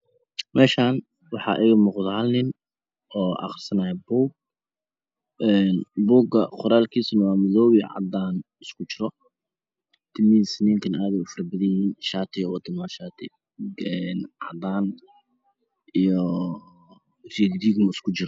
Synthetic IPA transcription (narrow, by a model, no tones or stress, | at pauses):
mɛːʃaːn | wɑħɑ̰ʔɛjɣʊmɔːqðalnɪn | ɔːʔɑ̰χrsɐnaɛbuːɡ̚ | ɛnbuːɡɐqʊɾaːlkʰiːsʊnɐwaːmɐðɔːβiʕɑ̰d̪aːn | ɪskʰʊt͡ʃɪɾɔ | t̪ʰɪmiːsnɪŋkʰɐnaːðɛʊfɐrbɐðɐjɪhiːnʃaːt̪ʰɪjɔwɑt̪ʰɪmaʃaːt̪ʰɪ | ɛnʕɑ̰d̪aːn | ʔijɔ | riːɡd̪iːɡnʊɪskʰʊt͡ʃɪɾɔ